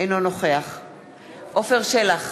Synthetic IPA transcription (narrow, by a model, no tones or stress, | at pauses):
ejnonoχeaχ | ʔofeʁʃelaχ